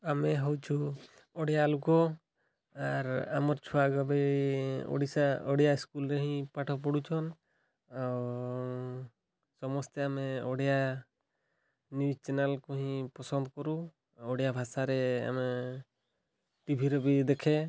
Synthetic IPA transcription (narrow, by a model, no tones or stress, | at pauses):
amɛɦɔwt͡ʃʰu | ɔɽijalukɔ | aɾa̰mɔɾt͡ʃʰuaɡɔbɛ | ɔ̰ɽisaɔɽijaiskulɾeɦĩpaʈʰɔp̬ɔɽut͡ʃʰɔn | aw | sɔmɔst̪eamɛɔɽija | njut͡ʃɛnalkɔɦĩpɔsɔnd̪kɔɾu | ɔɽijabʱasaɾɛa̰mɛ | ʈibʱiɾɔbid̪ɛkʰɛ